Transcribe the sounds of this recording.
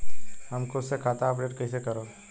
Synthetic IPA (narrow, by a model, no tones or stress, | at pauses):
hɐmkoʊsːekʰaːt̪aɐp̬ɖeːʈkɐisekɐɾoː